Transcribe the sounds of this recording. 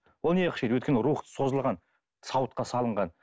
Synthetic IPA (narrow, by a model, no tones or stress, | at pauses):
wolˠneqəʃejd̪wɵt̪̚kʲenəɾuχt̪ə̥so̞zəlˠʁɑn | sɑwət̪̚qɑsɑlˠəɴʁɑn